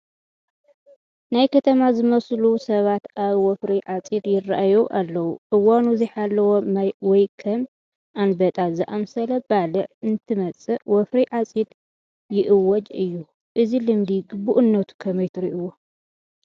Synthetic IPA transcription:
najkʰɐt̪ʰɐmazɨmɐslusɐβat̪aβwɔfɾiʕat͡sʼid̪jɪrːa̰ʔajoʔalːɐwuʕɨwanuziħalːɐwomajwɔjkʰɐm | ʔanbɐt̪ʼazɨʔamsɐlɐbalɨʕɨnt̪ʰɨmɐt͡sʼɨwɔfɾiʕat͡sʼid̪ | jɪʔɨwːɔd͡ʒʼɨjːu | ʔɨzilɨmd̪iɡɨbːuʔɨnːɐt̪ʰu̥kʰɐmɐjt̪ʰɨɾiʔuwo

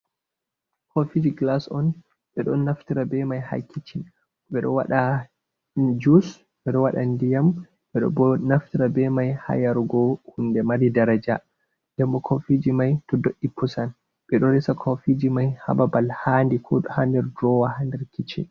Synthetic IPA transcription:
kʰofid͡ʒiɡlasɔn | ɓɛɗɔnːaftiɾabɛmajha̰kʰːit͡ʃin | ɓɛɗɔ̰wa̰ɗa | d͡ʒus | ɓɛɗɔwaɗandijam | ɓɛɗɔ̰bɔnaftiɾabɛmajha̰jaɾɡɔhundɛmaɾidaɾad͡ʒa | dɛmbɔkʰofid͡ʒimajtɔdoʔːipːusan | ɓɛɗɔɾɛsakʰofid͡ʒimajha̰babalhandikʰɔɗɔhandɛɾdɾɔwahandɛɾkit͡ʃɛ̰

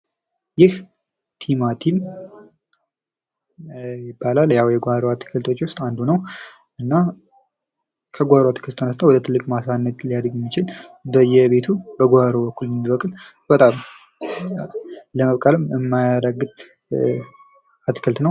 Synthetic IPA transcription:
jɪh | t̪ʰimat̪ʰim | jɪbːalaljawjɛɡohaɾoat̪ʰːɨ̥kʰəlt̪ʰo̞t͡ʃːwʊst̪ʼand̪unəw | ʔɨnːa | kʰəɡʷhaɾoat̪ʰɨ̥kʰɨlt̪ʰənəst̪ʰəwɔd̪ət̪ʰɨlːɨkʼmasanːət̪lijad̪ɾɡjɛmːit͡ʃɪlbəjɛβe̞t̪ʰubəɡʷohaɾobəkːulmːibəkʼɨl | b̥ət̪ʼam | ləməβkʼalɨmɨmːajaɾəɡɨt̪ʼ | at̪ːi̥kʰəlt̪nəw

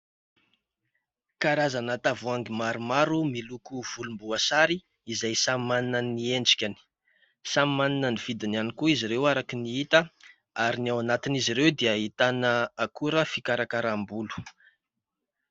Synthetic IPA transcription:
kaɾazanat̪avuaŋɡimaɾumaɾumilukuv̥ulumbuasaɾi | izajsammaninənieɳɖ͡ʐi̥kʲani̥ | sammaninəniv̥id̪inianikuiziɾewaɾakiniit̪ə | aɾiniawanat̪iniziɾewd̪eaɦit̪anəakuɾəfikaɾakaɾambulu̥

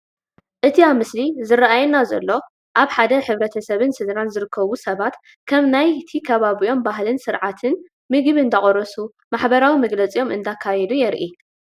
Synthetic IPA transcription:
ʔɨt̪ʰiamɨslizɨrːaʔajɛnazɐ̰lːo̞ | ʔaβħad̪ɐħɨβɾɐt̪ʰɐsɐβɨnsɨd̪ɾanzɨɾɨkʰːɐβusɐβat̪ | kʰɐmnajt̪ʰikʰɐβaβijo̞mbaɦlɨnsɨɾʕat̪ʰɨn | mɨɡɨβɨnd̪ɐχʼoɾɐsu | maħbɐɾawimɐɡlɐt͡sʼijo̞mʔɨ̰nd̪akʰːajɛd̪ujɛɾʔi

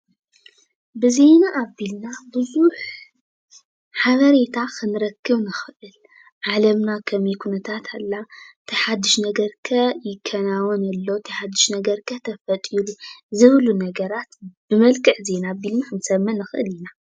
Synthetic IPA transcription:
bɨze̞naʔːbilnabɨzuħ | ħaβɐɾe̞t̪ʰakʰɨnɨɾɐkːɨβnɨxɨʔɨl | ʕalɐmnakʰɐmikʰunɐt̪ʰat̪ʰalːat̪ʰɐħad̪ːɨʃnɐɡɐɾkʰɐjɪkʰːɐnawonɐlːot̪ʰɐħad̪ːɨʃnɐɡɐɾkʰɐt̪ʰɐfɐt̪ʼiluzɨβlunɐɡɐɾat̪b̥ɨmɐlkʼɨʕze̞naːbilnaxɨnsɐmːɐnɨxɨʔɨ̰lina

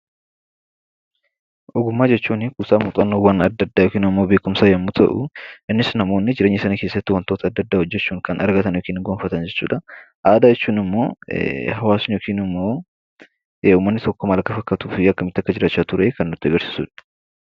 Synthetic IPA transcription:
ʔɔɡʊmːaːd͡ʒɛt͡ʃːuːnɪkusaːmʊt̪ʼɐnːoːwɐnɐd̪ːɐd̪ːaːjɔkiːnɐmːo̞ːbe̞ːkʊmsaːjɐmːut̪ʰɐ̰ʔʊ̰ʔɪnːɪsnɐmo̞ːnːɪd͡ʒɪɾe̞ːɲːɪsɐnike̞ːsːɐt̪ːɪwɐnt̪oːt̪ɐd̪ːɐd̪ːaːhɔd͡ʒːɛt͡ʃːuːŋkɐnʔɐɾɡɐt̪ɐnjokiːnɪŋɡoːnfɐt̪ɐnd͡ʒɛt͡ʃːṵːᶑɐ | ʔaːd̪ad͡ʒɛt͡ʃːuːnɪmːo̞ːɦɐwaːsʊnjokiːnɪmːo̞ː | uːmːɐnːɪt̪ɔkːɔmɐlɐkːɐfɐkːɐt̪uːfiɐkːɐmɪt̪ːɪɐkːɐd͡ʒɪɾaːt͡ʃːaːt̪ʊɾekɐnːʊt̪ːɪɐɡɐɾsɪ̥sṵːᶑɐ̥

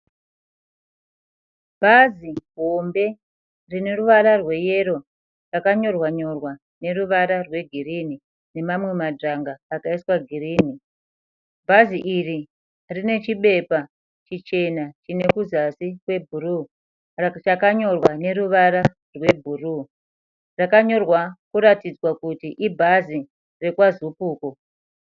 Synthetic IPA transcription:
bʱaziɦombe̞ | rine̞ruʋaɾarwe̞je̞ɾo̞ | rakaɲo̞rwaɲo̞rwa | ne̞ruʋaɾarwe̞ɡʱirini | ne̞mamwe̞madaŋɡaːkaiswaɡʱiriːni | bʱaziʔiri | rine̞t͡ʃiɓe̞pa | t͡ʃit͡ʃe̞nat͡ʃine̞kuzasikwe̞bʱuru | t͡ʃakaɲo̞rwane̞ɾuʋaɾa | rwe̞bʱuru | rakaɲo̞rwakuɾatid͡zwakutiʔibʱazi | re̞kwazupuːko

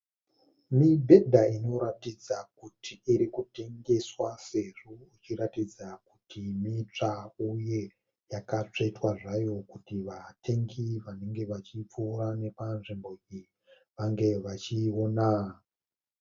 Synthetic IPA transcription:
mibʱe̞dʱaino̞ɾatid͡zakutʰiːɾikute̞ŋɡe̞swaseʐuit͡ʃiɾatid͡zakutʰimit͡ʂauje̞ | jakat͡ʂetwaʐajo̞kutiʋatʰe̞ŋɡiʋane̞ŋɡe̞ʋat͡ʃip͡fuːrane̞panʐimbo̞i | ʋaŋɡe̞ʋat͡ʃiona

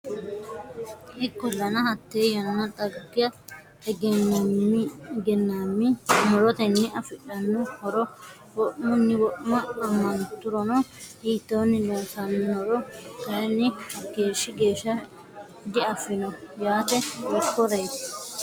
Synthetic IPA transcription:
ɪkːɔlːɐnɐhɐt̪ːeːjɐnɐnɐt̪ʼɐɡːɪjɐ | ɛɡ | ɡɛnːaːmːɪmɔɾɔt̪ɛnːɪɐfɪᶑɐnːɔhɔɾɔ | wɔʔmʊnːɪwɔʔmɐːmːɐnt̪ʊɾɔnɔhiːt̪ːoːnːɪloːtɐnɔɾɔkɐɾɛnːɪɡ̥e̞ːʃːɪɡe̞ːʃːɐ | d̪ɪɐfɪnɔjaːt̪ɛwɔkːɔɾɐjt̪

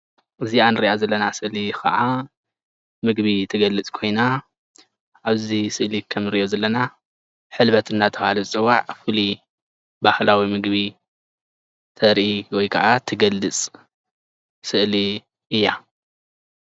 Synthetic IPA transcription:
ʔɨzianɨɾiʔazɐlːɐnasɨʔlikʰɐ̰ʔa | mɨɡβit̪ʰɐɡɐlːɨt͡sʼkʰo̞jna | ʔaβzisɨʔlikʰɐmnɨɾiʔo̞zɐlːɐna | ħɨlβɐt̪ɨnːat̪ʰɐβhalɐt͡sʼɨwːaʕfɨli | bahlawimɨɡβi | t̪ʰɐɾʔiwɔjkʰɐʔat̪ʰɨɡɐlːɨt͡sʼ | sɨʔli | ʔɨjːa

